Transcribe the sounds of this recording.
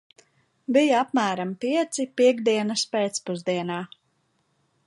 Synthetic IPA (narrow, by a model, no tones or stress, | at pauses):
bijaapmæːɾampiɛt̪sipiɛɡd̪iɛnɐspeːt̪spuzd̪iɛnaː